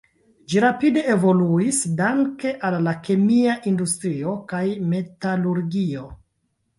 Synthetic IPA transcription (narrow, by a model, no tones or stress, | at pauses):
d͡ʒiɾapide̞evo̞luisdaŋke̞ʔalːake̞miaʔindustɾio̞kajme̞taluɾɡio̞